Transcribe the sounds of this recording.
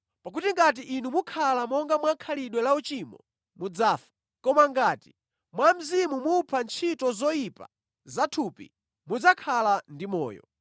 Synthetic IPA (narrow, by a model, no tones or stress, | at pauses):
pak̬utiŋɡat̬iʔːnumukʰalamɔŋɡamwakʰaliɗwɛlaut͡ʃimɔ̰ | mud͡zaːfḁ | kɔmaŋɡaːti̥ | mwam̩zimumupʰant͡ʃʰitɔzɔjipa̰ | zatʰupḭ | mud͡zakʰalandimɔ̰ːjɔ̰